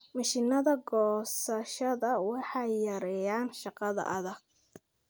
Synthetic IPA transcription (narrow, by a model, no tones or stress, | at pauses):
mɑʃinɐðɐɡɔːsɐʃɐðɐwɑħɑjːɐɾɛjaːnʃɑqɑðɐ̰ʔɐðɐɡ̥̚